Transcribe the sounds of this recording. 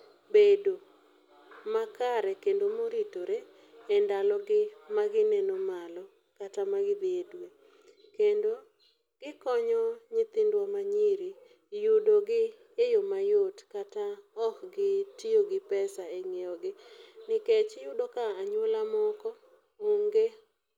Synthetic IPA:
bedo | makaɾɛkendomoɾitoɾe | ɛndalɔɡɪmaɡɪnɛnomalɔ | katamaɡɪd̪edwe | kendo | ɡ̥ɪkɔɲɔɲɪt̪indwamaɲiɾi | jʊdoɡɪ | jejomajotkataɔkɡɪtioɡɪpɛsaeŋeɔɡɪnɪket͡ʃjʊdokaːɲwolamɔkɔ | oŋɡe

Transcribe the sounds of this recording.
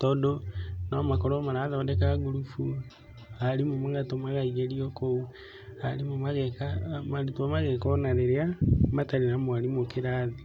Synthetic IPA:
tɔːdonamakoɾomaɾaðɔdɛkaɡuɾufu | aɾimomaɣatomaɣaiɣeɾiɔkou | aɾimomaɣɛkamaɾutamaɣɛkɔnaɾeɾeamataɾenamoaɾimokeɾaði

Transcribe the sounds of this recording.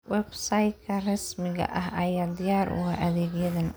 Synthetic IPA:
wɛbsaj̪kʰɐrɐsmɪɣɐ̰ʔɐɦɐjaːd̪ɪjaːɾʔʊ̰aʔɐðɛːɡjɐðɐn

